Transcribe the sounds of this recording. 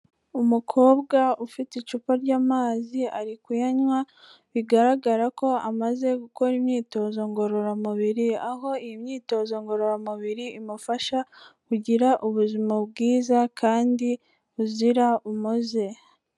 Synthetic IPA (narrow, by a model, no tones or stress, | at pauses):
umukʰo̞ːβɡaufitit͡ʃupaɾɟaːmaːziaɾikwujaɲwa | βiɡaɾaɡaɾako̞amaze̞ɡuko̞ɾimɲiːto̞zo̞ŋɡo̞ɾo̞ɾamuβiɾiaɦo̞ijimɲiːto̞zo̞ŋɡo̞ɾoɾamuβiɾiːmufaʃakuɟiɾaʔuβuzimabɡiːzakʰaːndi | uziɾaumuze̞